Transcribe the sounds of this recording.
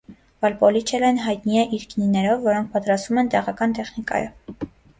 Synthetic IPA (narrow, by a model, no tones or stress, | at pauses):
vɑlpɔlit͡ʃʰɛlɛnɦɑjt̪niɛʔiɾkninɛɾɔvːɔɾɔŋk̚ʰpɑt̪ɾɑst̪vumɛnt̪ɛʁɑkɑnt̪ɛχnikɑ̰ju